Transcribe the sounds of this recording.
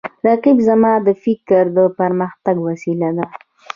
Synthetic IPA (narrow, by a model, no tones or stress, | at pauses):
ɾaqibzamɑd̪əfɪkɾd̪əpaɾməxt̪aɡwasilad̪a